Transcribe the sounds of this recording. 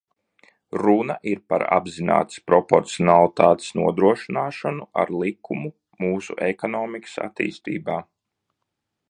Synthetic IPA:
ɾunaʔiɾpa̰ɾa̰bzina̰ːt̪spɾɔpoɾt̪siɔnalˠit̪aːt̪snuɔd̪ɾuɔʃinaːʃanua̰ɾlˠikʰumu | muːsṵʔekɔnɔːmikɨ̥sa̰t̪ḭːst̪ḭːbaː

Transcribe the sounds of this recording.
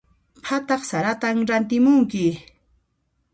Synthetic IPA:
pʰat̪ɑχsaɾat̪amɾant̪ɪmʊŋkɪ

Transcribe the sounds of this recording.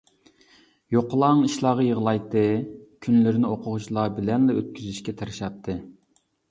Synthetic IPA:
joqlˠɑŋiʃlˠɑːʁɑjəʁlˠɑjt̪ːɨkʲʰynlɪɾnɪoqʰʊʁʊt͡ʃʰilˠɑbɪlɛnlɛøt̪̚kʲʰyzyʃkʲɛt̪ʰeɾɪʃɑp̚t̪ʰːɨ

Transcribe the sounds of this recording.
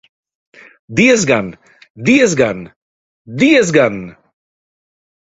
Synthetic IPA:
d̪iəzɡan | d̪iəzɡan | d̪iəzɡan

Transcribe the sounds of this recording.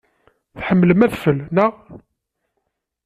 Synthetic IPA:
θħəmːləmæðfəlnəʁ

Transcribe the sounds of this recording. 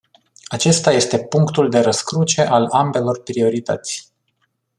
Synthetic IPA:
at͡ʃe̞st̪aje̞st̪e̞puŋkt̪uld̪e̞ɾəskɾut͡ʃe̞ʔalambe̞lo̞rpɾio̞ɾit̪ə̰t̪sʲ

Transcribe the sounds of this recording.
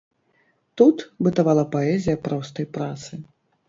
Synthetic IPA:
t̪ut̪bɨt̪avalˠɐpaɛzʲijɐpɾɔst̪ɐjpɾat̪sɨ

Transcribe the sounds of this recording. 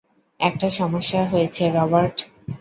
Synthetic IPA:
ɛk̚ʈaʃɔmoʃːaɦojet͡ɕʰeɾɔbaɾʈ

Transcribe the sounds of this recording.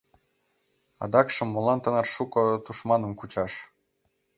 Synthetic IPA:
ɑ̰d̪ɑkʃɤ̆mːolɑnt̪ə̆nɤ̆rʃukɤ̆t̪uʃmɑnə̆mkut͡ɕɑʃ

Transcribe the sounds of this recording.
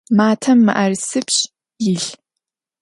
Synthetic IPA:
maːtʰɐmːɨ̰ʔɐrsɨpɕ | jɪɬ

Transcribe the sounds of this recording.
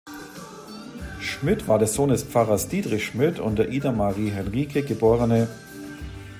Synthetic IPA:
ʃmɪtv̥aːɐdɛsz̥oːndɛsp͡faʁɐsd̥iːdʁɪçʃmɪtʰʊ̰ntd̥eːɐʔiːdamaʁiːɦɛnʁiːkʰəɡəboːʁənə

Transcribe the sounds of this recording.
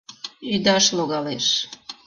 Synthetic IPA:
yd̪ɑʃloɣɑleʃ

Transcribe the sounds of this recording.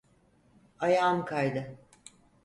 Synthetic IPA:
ajaːmkʰajd̪ɯ

